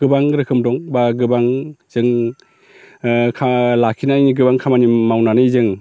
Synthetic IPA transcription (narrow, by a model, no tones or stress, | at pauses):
ɡ̥ɯbaŋɾɯkʰɯmdɔŋbaɡɯbaŋz̥ɯŋ | kʰalakʰinajniɡɯbaŋkʰamanimawnanɯjzɯŋ